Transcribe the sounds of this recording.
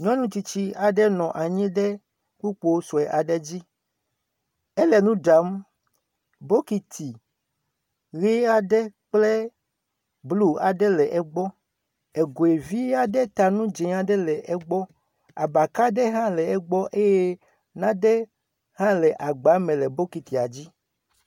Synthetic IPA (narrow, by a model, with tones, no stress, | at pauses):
ɲɔ̃˦nũ˦t̪i˨t͡ɕi˦a˨ɖɛ˦nɔ̃˨ʔa˨ɲĩ˦ɖɛ˦ | ku˦k͡po˦o˦sɔ˨ɛ˨ʔa˨ɖɛ˦d͡ʑi˦ | ɛ˦lɛ˨nũ˦ɖa˨˦m | bo˦ki˨t̪ʰi˨ | ɣi˦a˨ɖɛ˦k͡plɛ˦ | blu˦a˨ɖɛ˦lɛ˨ʔɛ˦ɡ͡bɔ˦ | ɛ˨ɡo˨e˨vi˦a˨ɖɛ˦t̪a˨nũ˦d͡ʒɛ̃˨a˨ɖɛ˦lɛ˨ʔɛ˦ɡ͡bɔ˦ | a̰˨ba˨ka˦ɖɛ˦ɦã˦lɛ˨ɛ˦ɡ͡bɔ˦ʔe˦jɛ˦ | nã˦dɛ˦ | hã˦lɛ˨ʔa˨ɡ͡ba˨˦mɛ̃˨lɛ˨bo˦ki˨t̪i˨a˨d͡ʑi˦